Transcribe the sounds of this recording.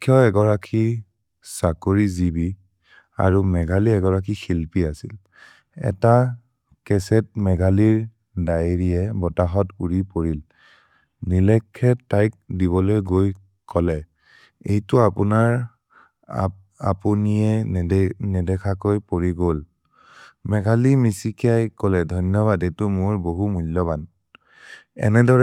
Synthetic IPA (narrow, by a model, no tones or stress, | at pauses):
kʰjɔɛɡɔɹakʰi | sakoɹizibi | a̰ɹumɛɡʱaliɛɡɔɹakʰixilpiasil | ɛ̰ta | kɛsɛt̚mɛɡʱaliɹ | daɹiɛbɔtaɦɔtuɹipoɹil | nilɛkʰːɛtːajk̚diβɔlojɡoj | kɔlɛ | ejtʊapʊnaɹ | apunijɛ | nɛdɛkʰakojpoɹiɡol | mɛɡʱalimisikiajkɔlɛdʱɔnɔβadɛtʊmʊɹboɦumulːɔban | ɛ̰nɛdɔɹɛ